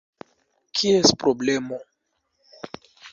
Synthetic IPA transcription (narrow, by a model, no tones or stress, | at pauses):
kʰiespɾoblemo